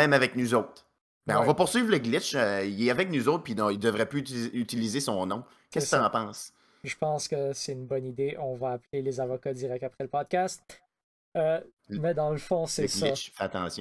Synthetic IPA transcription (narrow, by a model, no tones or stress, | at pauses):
mɛ̃mavɛknuzowt̪ʁ | bɛ̃ɔ̃vɔpʊʁsɥiːvləɡlɪt͡ʃøilɛavɛk̚nuzoʊt̪̚pid̪ɔ̃id̪əvʁɛpyːt̪ilizesɔ̃nɔ̃ | kɛsksãpɑ̃ːs | iʒə̥pɑ̃skəsɛynbɔnid̪eʔɔ̃vaːplelezavɔkad̪iʁɛk̚t̪apχɛləpɔd̪̚kʲast̪̚ | ø | mɛd̪ɑ̃ləfɔ̃sɛsɡlɪt͡ʃfɛat̪ɑ̰̃ːsjɔ̃